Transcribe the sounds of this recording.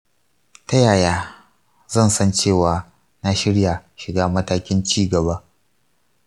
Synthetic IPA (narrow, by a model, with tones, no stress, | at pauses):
ta˦jaː˨jaː˦ | zɐ˦˨nsɐ˦nt͡ʃeː˦˨waː˨ | na˦ʃɪ˦ɽja˨ʃɪ˨ɡaː˦mɐ˦taː˦kʲɪ˦nt͡ʃiː˦ɡɐ˨ba˦ʔ